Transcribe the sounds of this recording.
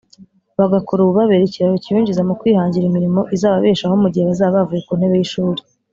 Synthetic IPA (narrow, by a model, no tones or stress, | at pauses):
βaɡakoɾuβuβaβeɾeciɾaβocijuːɲɟizamukwiːhaːɲɟiɾimiɾimo̞ʔizaːβaβeːʃahomuɟiheβazaːββavujekun̥e̞βejiʃuːɾi̥